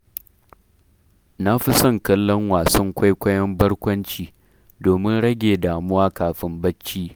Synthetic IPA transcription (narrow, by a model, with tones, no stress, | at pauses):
na˦ɸi˦sɐ˦˨ŋkɐ˦lːɔ˦ŋwaː˨sɐ˦ŋkʷa˦jkʷɐ˦jɐ˦mbɐ˦ɽkʷɐ˦nt͡ʃiː˨ | doː˨mɪ˦nɽɐ˦ɡʲeː˨daː˨mʊ˦waː˦kaː˨ɸɪ˦mbɐ˦t͡ʃːiː˦